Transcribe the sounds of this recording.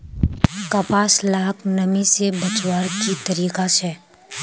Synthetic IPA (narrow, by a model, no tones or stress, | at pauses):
kɐpaːslaːknɐmisebɐt͡ʃwaːɾkit̪ɐɾiːkasɛː